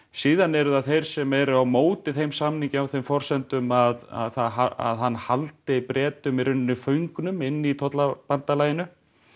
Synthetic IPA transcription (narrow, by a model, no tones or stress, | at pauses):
siːðanːɛɾʏðaθejɾ̥sɛmɛɾʏawmoːwt̪ɪθejmsamniŋcɪawθejmfɔr̥sɛnt̪ʏmaða̰ðθaðaa̰ðɦanːhalt̪ɪipɾɛːt̪ʏmiɾʏnːɪfœɥŋknʏmɪnːit̪ʰɔt̪lapant̪alajɪnʏ